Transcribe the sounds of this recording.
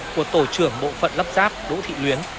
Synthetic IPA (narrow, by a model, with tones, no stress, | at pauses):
ku˧˩ət̪o˧˩t͡ɕɨ˧˩əŋɓo̰˧˨fə̰˧˨nlə˦˥p̚zaː˦˥p̚ɗo̰˧˥t̪ʰḭ˧˨lwi˨˦ən